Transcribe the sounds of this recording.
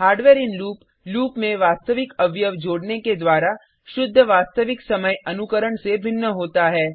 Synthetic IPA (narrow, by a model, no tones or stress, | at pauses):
ɦaːɾɖʋeːɾɪnluːp | luːpmẽʋaːst̪əʋɪkɐʋjəʋd͡ʒoːɽneked̪waːɾa | ʃʊd̪ʱːəʋaːst̪əʋɪksɐməjɐnʊkəɾəɳsebʱɪnːəɦoːt̪aɦɛː